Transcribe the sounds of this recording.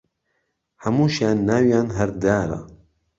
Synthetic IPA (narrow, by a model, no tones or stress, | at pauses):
hɐmuːʃjaːnːaːwjaːnɦɐɾd̪aːɾa̰